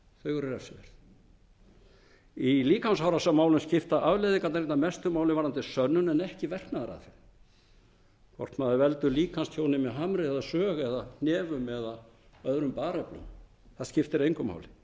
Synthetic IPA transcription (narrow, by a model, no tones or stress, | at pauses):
θœɣʏɾɪɾɛfsvɛ̰ɾ̥θ | iliːkanshawɾasamaːwlʏnscɪft̪aʔavlejðɪkanaɾeːt̪namɛst̪ʏmaːwlɪvaɾant̪ɪsœnːʏnɛnɛhcɪvɛr̥knaðaɾa̰θɪ | kʰvɔ̰r̥t̪maːðɪɾvɛlt̪ʏɾliːkʰanst̪ʰjownɪmɛɦamɾɪɛðasœːɣɛðahnɛːvʏmɛða | œðɾʏmpaːɾɛplœ̰m | θaðscɪft̪ɪɾejŋkʏma̰wlɪ